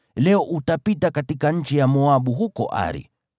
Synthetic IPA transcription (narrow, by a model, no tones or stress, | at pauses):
lɛɔʔutapitakatikaɲ̩t͡ʃijamɔaɓuɦukɔ̰ʔa̰ɾḭ